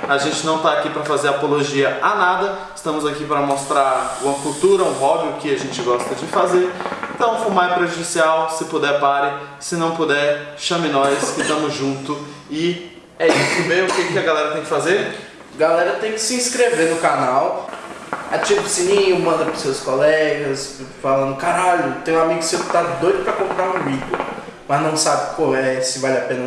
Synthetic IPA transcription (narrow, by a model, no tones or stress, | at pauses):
aʒẽnt͡ʃɪnɐ̃w̃t̪aːkipɾɐfazeɾapoloʒiɐanad̪ɐ | ɪ̥st̪ɐ̃mʊzakipɾɐmost̪ɾaɾũmɐkuwt̪uɾɐũɦɔbɪʊkɪaʒẽt͡ʃɪɡɔst̪ɐd͡ʒɪfazeɾɪ̃t̪ɐ̃w̃fumaɾpɾeʒud͡ʒisiawsɪpod̪ɛɾpaɾɪ | sɪnɐ̃w̃pod̪ɛɾʃɐmĩnɔjɐskɪt̪ɐ̃mʊzʒũnt̪ʊ | ɪ | ɛisʊɐ̃bẽj̃ʊkekɪɐɡalɛɾɐt̪ẽj̃kɪ̥fazeɾ | ɡalɛɾɐt̪ẽj̃kɪ̥sɪĩskɾevenʊkanaw | a̰t͡ʃipsĩnĩʊmɐ̃nd̪ɐpɾɐseɐskolɛɡɐsfalɐ̃nd̪ʊkaɾaʎʊt̪ẽj̃ũamiɡʊsewkɪ̥t̪ad̪ojd̪ʊpɾɐkõmpɾaɾũiɡomɐznɐ̃w̃sabɪkãw̃ɛsɪvalɪapẽnɐ